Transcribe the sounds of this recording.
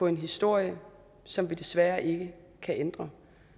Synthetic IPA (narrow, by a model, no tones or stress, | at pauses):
ɒ̽e̝nɦisd̥o̝ɐ̰jə | sɒ̽mʋid̥e̝sʋæːɐʔe̝ɡ̥ə | kʰæʔend̥ʁɐ